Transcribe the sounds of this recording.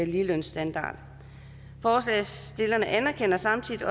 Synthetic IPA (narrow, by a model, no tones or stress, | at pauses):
liːløn̰sd̥ænd̥ɑ̰̈ːd̥ | fɒːslɛ̰ːsd̥e̝lɐnəʔænæɐkʰen̰ɐsɑ̈mt͡sʰið̥ˠiɒ̽